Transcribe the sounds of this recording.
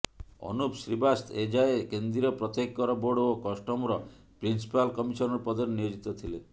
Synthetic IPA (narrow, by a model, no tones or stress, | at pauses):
ɔ̰nupsɾibast̪ʰed͡ʒaekend̪ɾiɾɔpɾɔt̪ekkɔɾɔboɽokɔsʈɔmɔɾɔ | pɾinsi̥palkɔmisɔnɔɾepɔd̪ɔɾenijod͡ʒit̪ɔt̪ʰile